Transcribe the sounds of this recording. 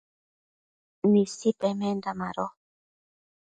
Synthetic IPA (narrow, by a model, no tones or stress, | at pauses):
nĩsipʼɛmɛ̃nd̪amaɾɔ